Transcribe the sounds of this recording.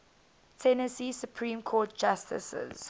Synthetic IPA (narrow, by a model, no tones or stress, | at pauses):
tʰɛnəsiːsjupʰɹĩːmkʰɔːt̚d͡ʒastʰɪ̰sə̰z̥